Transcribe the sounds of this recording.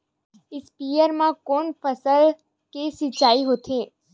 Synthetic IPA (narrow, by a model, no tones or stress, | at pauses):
ɪspijəɾmãkoːnpʰəsəl | kesɪt͡ʃaːiɦot̪ʰe